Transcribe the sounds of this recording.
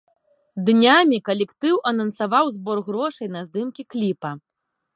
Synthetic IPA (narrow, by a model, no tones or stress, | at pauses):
d̪nʲamʲikɐlʲɛkt̪ɨwʔɐnɐnsavawzbɔrɣɾɔʂɐjnɐzd̪ɨmkʲiklʲipɐ